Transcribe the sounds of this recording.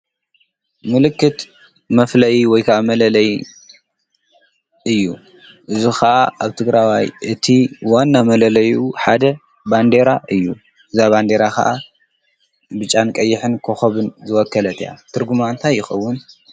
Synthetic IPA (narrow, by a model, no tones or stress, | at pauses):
mɨlɨkːɨt̪ | mɐflɐjiwɔjkʰɐʔamɐlɐlɐj | ʔɨjːu | ʔɨzixɐʔaʔaβt̪ʰɨɡɾawajʔɨt̪ʰiwanːamɐlɐlɐjuħad̪ɐ | band̪e̞ɾaʔɨjːu | ʔɨzaβand̪e̞ɾakʰɐ̰ʔa | bɨt͡ʃʼankʼɐjːɪħɨnkʰoxɐβɨnzɨwɔkːɐlɐt̪ʰja̰t̪ʰɨɾɡumant̪ʰajːɪxɐwːʊn